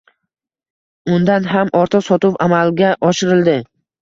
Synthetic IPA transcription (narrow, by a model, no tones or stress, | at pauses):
ʊnd̪anɦamɒɾt̪ʰɑqsɒt̪ʊpamalɡʲaʔɒʃɪɾɪld̪ɪ